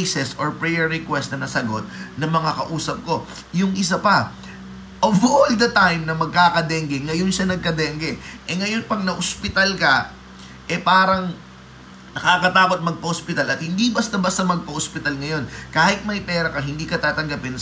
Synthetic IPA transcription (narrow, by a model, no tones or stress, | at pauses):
sɛsoɹpɹɛjɛɹːɛkwɛst̪nɐnɐsɐɡo̞t̪̚nɐmɐŋɐkɐʔuːsɐp̚ko̞ | jʊŋʔɪs̬apɐ | ʔovold̪ɐt̪ajmnɐmɐɡ̚kaːkɐd̪ɛːŋɡɛŋɐjonʃɐnɐɡ̚kɐd̪ɛːŋɡɛʔɛŋɐjo̞npɐɡ̚nɐʔospɪt̪ɐlkɐ | ʔɛpaːɾɐŋ | nɐkakɐt̪aːko̞t̪̚mɐɡ̚pɐhospɪt̪ɐlɐt̪̚hɪnd̪ibɐst̪ɐbɐst̪ɐmɐɡ̚pɐhospɪt̪ɐlŋɐjo̞nkaːhɪt̪̚mɐjpɛːɾɐkɐɦɪnd̪iːkɐt̪aːt̪ɐŋɡɐpɪn